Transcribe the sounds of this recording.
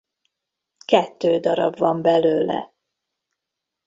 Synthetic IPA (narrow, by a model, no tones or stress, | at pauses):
kɛt̪ːøːd̪ɒɾɒ̰bvɒmbɛløːlɛ̰